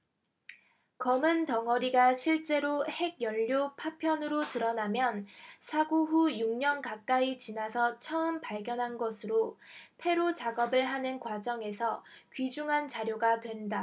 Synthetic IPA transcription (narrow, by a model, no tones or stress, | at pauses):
kʌmɯntʌŋʌɾiɡaɕʰiɭt͡ɕ͈e̞ɾohe̞ɡ̚jʌʎːopʰapʰjʌnɯɾotɯɾʌnamjʌnsʰaɡoɦujuŋɲʌnkak͈ait͡ɕinasʰʌt͡ɕʰʌɯmpaɭɡjʌnɦanɡʌsʰɯɾopʰe̞ɾot͡ɕaɡʌbɯɭɦanɯnkwad͡ʑʌŋe̞sʰʌkɥid͡ʑuŋɦant͡ɕaɾjoɡatwe̞nda